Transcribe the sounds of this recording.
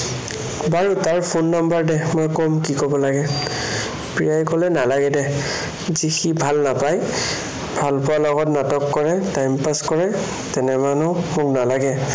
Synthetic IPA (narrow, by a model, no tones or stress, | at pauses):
baɹutaɹpʰonːambaɹdɛmojkɔmkikɔbɔlaɡɛ | pɹijajkɔlɛnalaɡɛdɛ | zixibʱalnapaj | bʱalpʊwalɔɡɔtnatɔkːɔɹɛtajmpaskɔɹɛ | tɛnɛmanɔʊmʊknalaɡɛ